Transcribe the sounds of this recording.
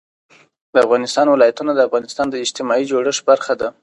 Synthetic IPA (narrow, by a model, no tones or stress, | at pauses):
d̪əafɣɑnɪst̪ɑnwɪlɑjat̪unad̪əafɣɑnɪst̪ɑnd̪əɪd͡ʒt̪ɪmɑid͡ʒoɽəʂbaɾxad̪a